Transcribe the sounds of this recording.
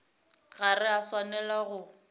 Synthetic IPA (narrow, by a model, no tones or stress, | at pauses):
ɣarɪaswanɛlaɣʊ